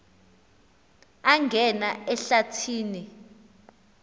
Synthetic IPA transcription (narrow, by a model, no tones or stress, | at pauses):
aŋɡʱɛnaɛɬatʰiːni